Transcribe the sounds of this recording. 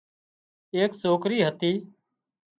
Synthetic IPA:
eːksoːkɾiːɦət̪iː

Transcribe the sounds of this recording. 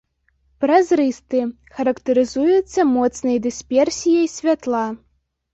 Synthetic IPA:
pɾɐzɾɨst̪ɨ | xɐɾɐkt̪ɐɾɨzujut̪sːɐmɔt̪snɐjɐd̪ɨsʲpʲɛrsʲijɐjsʲvʲat̪lˠa

